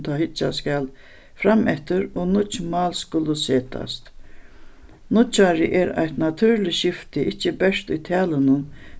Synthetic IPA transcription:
t̪ʰahɪt͡ʃːaskal | fɾamʔɛht̪ʏɾonʊt͡ʃmaːlskʊlːʊseːt̪ʰa̰st̪ | nʊt͡ʃaɾɪʔɛɾa̰jt̪nat̪ʰʉːɾlɪʃɪft̪ɪʔɪt͡ʃːɪbɛʂt̪ʊjt̪ʰɛːlənʊn

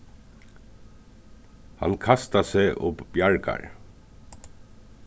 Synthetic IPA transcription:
ha̰nkʰast̪aseʔʊpbjaɹka̰ɹ

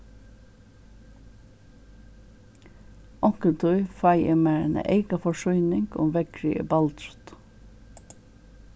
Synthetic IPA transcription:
ʔɔkənt̪ʰʉʏfɑɪəmeːənə̰ʔeɪɡɑfɔʃʉʏnɪŋɡʊ̰mʋɛɡɹʏ̰ə̰bɑlt̪ɾʉt̪

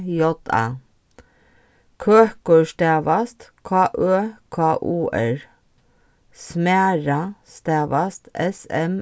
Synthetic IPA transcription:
jɔt̪ʰɑ̰ | kʰøːkuːʃt̪eːʋɑst̪kʰɑːʔøːkʰɑːʔuːʔæɹ | smæːɹɑst̪eːʋɑst̪ɛsɛm

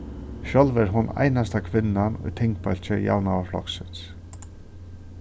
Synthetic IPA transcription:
ʃœlvɛɾɦʊna̰jnast̪akʰvɪnːanʊ̰jt̪ʰɪŋkpɛl̥t͡ʃɪja̰ːwnawaflɔ̰ksɪns

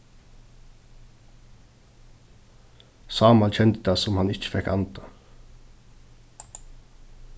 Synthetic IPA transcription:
sɑːmɑlçɛnd̪əd̪ɑːsɔmhɑnɪc͡çə̥fɛkɑ̰nt̪ʰɑ

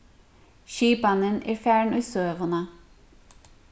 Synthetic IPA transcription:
ʃyːbɑnənʔḛːɹfjæːɳʉːsøːʋənə

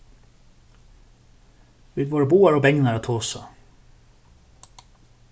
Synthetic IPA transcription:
ʋɪd̪ʋoːɹəbuːɑɹoːbɛŋnɑɾɑːt̪ʰoːsɑ̰

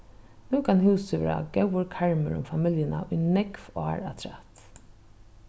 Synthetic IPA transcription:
nuːkʰanhuːsɪʋɛ̰ːɾa̰ɡɛwəɾkʰaɹmə̰ɾʊ̰mfamɪljɪnaʔʊjnɛkvaɹa̰t̪ʰɾat̪

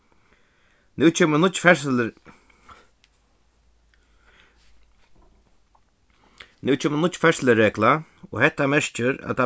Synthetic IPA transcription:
nʉːt͡ʃʰɛːmənʊfɛ | nʉːt͡ʃʰɛːmənʊt̪ːfɛɹsləɾɛːklaɔ̰hɛht̪ːamɛɹ̥t͡ʃəɾa̰ðt̪ʰa

